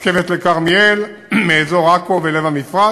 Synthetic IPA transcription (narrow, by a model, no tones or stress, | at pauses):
kevetlekaʁmiel | meːzo̞ʁakovelevamifʁa